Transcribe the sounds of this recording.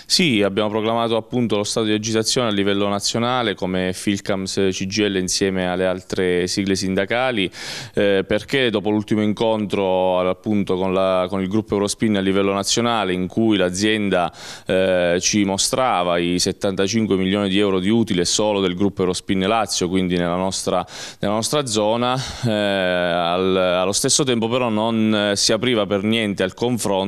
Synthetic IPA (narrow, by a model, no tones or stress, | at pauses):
siabjaːmopɾoklamaːt̪oapːunt̪olost̪at̪od̪iled͡ʒit̪at̪sːjoːnealːivɛlːonat̪sːjonaːlekomefilkamst͡ʃid͡ʒiɛlːeinsjɛːmealːealt̪ɾesiɡlesind̪akaːli | perk̟ed̪ɔːpolult̪imoiŋkont̪ɾoapːunt̪okonlakonilɡɾupːoɛwɾospinːalːivɛlːonat̪sːjonaːleiŋkujlad̪zːjɛnd̪a | t͡ʃimost̪ɾaːvaiset̪ːant̪at͡ʃiŋkwemilːjoːnid̪iɛwɾod̪iuːt̪ilesoːlod̪elɡɾupːoɛwɾospinːlat̪sːjokwind̪inelːanɔst̪ɾa | nelanɔst̪ɾad̪zɔːna | alalːost̪esːot̪ɛmpopeɾɔnonsiapɾiːvapernjɛnt̪ealkoɱfɾon